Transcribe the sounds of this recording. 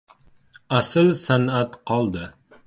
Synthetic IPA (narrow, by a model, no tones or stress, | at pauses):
asɨlsanat̪qʰɒlˠd̪ɪ